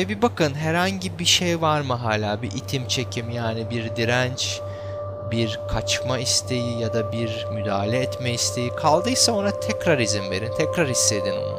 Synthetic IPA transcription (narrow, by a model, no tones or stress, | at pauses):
ebibakɯnɦæɾhaɲɟibiʃejvaɾmɯɦaːlʲaːbiʔit̪ʰimt͡ʃʰe̞cʰimjaːnibiɾd̪iɾænt͡ʃ | biɾkʰat͡ʃmaist̪ʰe̞jijad̪abiɾ | myd̪aːɦlʲɛːt̪mɛist̪ʰe̞jikʰalˠd̪ɯjsao̞nat̪ʰɛcɾaɾizimve̞̰ɾint̪ʰɛcɾaɾisːe̞d̪ino̰na̰